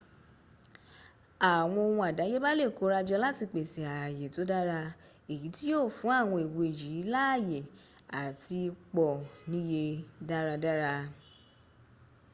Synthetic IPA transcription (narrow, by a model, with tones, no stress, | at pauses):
a˨w̃ɔ̃˧o˧wɔ̃˧a˨da˨˦je˦ba˦le˦˨ko˨˦ɾa˧d͡ʒɔ˧la˦ti˧k͡pe˨si˨a˨je˨to˨˦da˦ɾa˧ | e˨ji˨˦ti˦jo˦˨fũ˨˦a˦˨w̃ɔ̃˧i˨wo˧e˨ji˨˦la˦˨je˨ | a˨ti˧k͡pɔ˨nĩ˦je˧da˦ɾa˧da˦ɾa˧